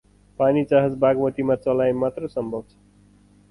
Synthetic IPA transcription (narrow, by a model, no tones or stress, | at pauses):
panit͡saɦʌd͡zbaɡmʌt̪imat͡sʌlajmat̪rʌsʌmbʱʌbt͡sʰʌ̥